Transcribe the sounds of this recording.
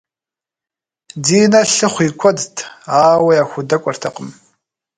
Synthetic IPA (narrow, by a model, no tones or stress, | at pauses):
diːnɐɬɨχʷiːkʷʰɔdtʰaːwɐjaːxʷʊdɐkʷʼɔrtʰɐqʼəm